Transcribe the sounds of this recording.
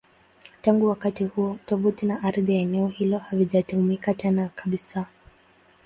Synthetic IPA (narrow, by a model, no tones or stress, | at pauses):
taŋɡuwakatihuɔtɔvutinaʔaɾðijaɛnɛɔhilɔhaviʄatuhumikat͡ʃɛnakʰaɓisa